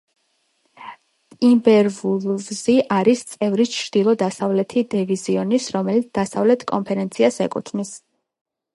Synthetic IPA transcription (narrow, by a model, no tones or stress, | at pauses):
t̪ʼimbɛɾvulˠvziʔaɾist̪sʼɛvɾit͡ʃʰɾd̪̥ilˠɔd̪asavlɛt̪ʰid̪ɛviziɔnisɾɔmɛlit̪sd̪asavlɛt̪ʰkʼɔ̰mpʰɛɾɛnt̪sʰiasɛ̰kʼṵt̪ʰvmis